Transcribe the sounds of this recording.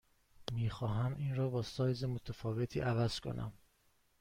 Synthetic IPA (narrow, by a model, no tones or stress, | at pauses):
miːxɒːɦæmʔiːnrɒːbɒːsɒːjzemot̪ʰæfɒːve̞t̪ʰḭːʔævæz̥kʰo̰nʔæ̰m